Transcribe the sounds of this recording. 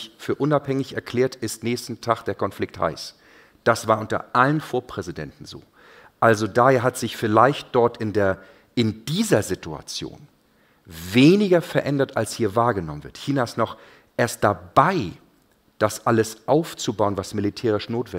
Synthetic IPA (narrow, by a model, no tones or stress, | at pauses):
çfyːɐʔʊnaphɛŋɪçɛɐkʰl̥eːɐtɪstnɛːçstn̩tʰaχd̥eːɐkʰɔnflɪk̚tha̰ɪs | d̥asv̥aːɐʔʊntɐ̰ʔalənfoːɐpʁ̥ɛzidɛ̰ntn̩zo̰ː | ʔalzodaːeːɐɦatz̥ɪçfɪlaɪçt̚d̥ɔɐtɪndeːɐ | ɪnd̥iːzɐzɪtua̰t͡sjo̰ːn | veːnɪɡɐfɛɐʔɛndɐtalshiːɐvaːɐɡənɔmənvɪ̰ɐtçiːnaɪstnɔχ | ʔeːɐst̚d̥abaɪ | d̥asʔaləsʔaʊft͡subaʊənvasmɪlitʰɛːʁ̞ɪʃnoːtvɛ